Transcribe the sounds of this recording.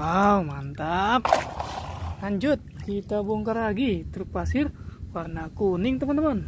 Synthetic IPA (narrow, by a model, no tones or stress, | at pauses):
awmant̪ap̚ | laɲd͡ʒut̪̚kit̪abɔŋkaɾaɡit̪ɾupasɪrwarnakuniŋt̪əmənt̪əmən